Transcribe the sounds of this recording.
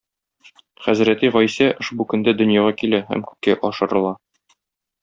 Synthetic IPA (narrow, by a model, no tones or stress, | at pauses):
χæzɾæt̪iʁɒjsæʔŏʃbukɵ̆nd̪æd̪ɵ̆njɑʁɑkilæhæ̰mkʉ̥kːæʔɒʃɤ̆ɾɤ̆lˠɑ